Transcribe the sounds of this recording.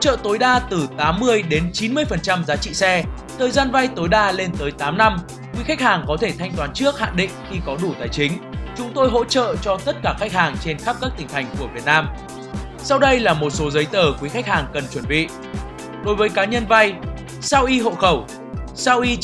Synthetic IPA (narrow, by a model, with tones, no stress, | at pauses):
ho̰˥t͡ɕə̰ː˧˨t̪o˨˦jɗaː˧t̪ɨ˨˩t̪aː˨˦mːɨ˧əjɗe˨˦nt͡ɕi˨˦nmɨ˧əjfə˨˩nt͡ɕa˧mzaː˨˦t͡ɕḭ˧˨sɛ˧ | t̪ʰəː˨˩jzaː˧nva˧jt̪o˨˦jɗaː˧le˧nt̪əː˨˦jt̪aː˨˦mna˧m | kwi˨˦xa˦˥k̚haː˨˩ŋkɔ˨˦t̪ʰe˧˩t̪ʰa˧jŋ̟t̪waː˨˦nt͡ɕɨ˦˥ək̚ha̰ː˧˨ŋɗḭ̈˧˨ŋ̟xi˧kɔ˨˦ɗu˧˩t̪aː˨˩jt͡ɕï˨˦ŋ̟t͡ɕʊ˨˦ŋ͡mt̪o˧jɦo̰˧˥t͡ɕə̰ː˧˨t͡ɕɔ˧t̪ə˦˥t̚kaː˧˩xa˦˥k̚haː˨˩ŋt͡ɕe˧nxa˦˥p̚kaː˦˥kt̪ï˨˩ŋ̟t̪ʰa˨˩jŋ̟ku˧˩əvi˨˩ət̚naː˧m | sa˧wɗə˧jlaː˨˩mo˨˩t̚so˨˦zə˨˦jt̪əː˧˩kwi˨˦xa˦˥k̚haː˨˩ŋkə˨˩nt͡ɕwə˧˩nɓḭ˧˨ | ɗo˨˦jvəː˨˦jkaː˨˦˥ɲə˧nva˧j | saː˧wʔi˧ɦo̰˧˨xə˧˩w | saː˧wʔi˧